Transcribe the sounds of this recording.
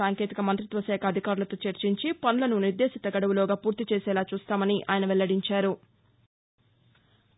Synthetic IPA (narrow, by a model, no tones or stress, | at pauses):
aːŋke̞ːt̪ikɐmɐnt̪ɾit̪ʋɐʃɛːkʰɐːd̪ʱikaːɾulɐt̪oːt͡ʃeɾt͡ʃiɲt͡ʃipɐnulɐnuniɾd̪eːsit̪ɐɡɐɽɐʋulɔːɡaːpuːɾt̪it͡ʃɛːsɛːlaːt͡ʃuːst̪aːmɐniʔa̰ːjɐnɐʋɛlːɐɽiɲt͡ʃaːɾu